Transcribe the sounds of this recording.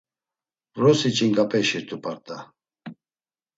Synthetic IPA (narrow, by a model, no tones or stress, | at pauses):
ɾɔsit͡ʃʼiŋkʼapʼɛʃiɾt̪ʰʼupʰʼaɾt̪ʼa